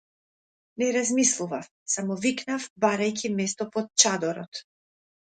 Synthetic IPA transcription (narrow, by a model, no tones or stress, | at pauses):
nɛɾazmislˠuvaf | samɔviknafbaɾajcʰʲimɛst̪ɔpɔt̪̚t͡ʃad̪ɔɾɔt̪